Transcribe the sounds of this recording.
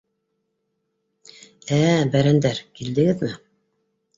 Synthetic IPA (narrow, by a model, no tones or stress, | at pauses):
æbæɾænd̪æɾkild̪ɘ̆ɡɘðmɘ